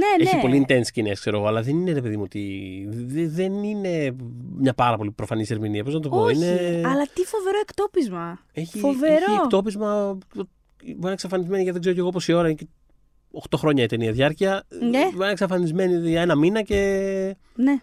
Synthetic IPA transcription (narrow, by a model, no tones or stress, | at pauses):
neeçipo̞liːnt̪e̞nsi̥cineskse̞ɾo̞ɣo̞ɐlɐðe̞nineɾe̞pe̞ðimuot̪ḭ | ðenine̞mɲɐpɐɾɐpo̞lipɾofɐnise̞ɾminiɐpo̞znɐt̪opoineɐlɐt̪ifoveɾoekt̪opizmɐe̞çifoveɾokt̪opizmɐ | bɐneksɐfɐnizme̞niʝɐt̪ðɡzeoce̞ɣo̞p̬o̞sio̞ɾɐince | o̞xt̪o̞xɾo̞ɲɐit̪eniɐðʝɐɾciɐ | ɐneksɐfɐnizme̞nie̞nɐminɐce̞ | ne